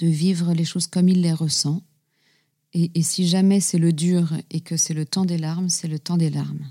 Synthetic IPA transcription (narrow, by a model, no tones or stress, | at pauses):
d̪̥əvivʁəleʃozkɔmilːeʁəsɑ̃ | eʔːsiʒamɛsɛləd̪yːʁekəsɛlət̪ɑ̃d̪elaʁmsɛlət̪ɑ̃d̪elaʁm